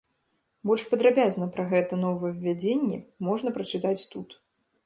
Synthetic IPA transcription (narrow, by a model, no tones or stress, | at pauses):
bɔlʲʂpɐd̪ɾabʲaznɐpɾɐɣɛt̪ɐnɔvɨɛwvːʲad͡zʲenʲːɛmɔʐn̪ɐpɾɐt͡ʂɨt̪at͡sʲt̪ut̪